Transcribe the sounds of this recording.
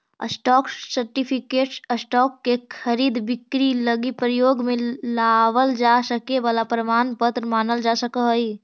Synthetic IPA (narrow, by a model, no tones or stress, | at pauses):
ə̰sʈɔːksəɾʈipʰikeːʈsəsʈɔːkːekʰəɾiːd̪bɪkɾiləɡipɾəjoːɡmẽlaʋəld͡ʒasəkeʋaːlapɾəmaːnpət̪ɾmaːnəld͡ʒasəkəɦəi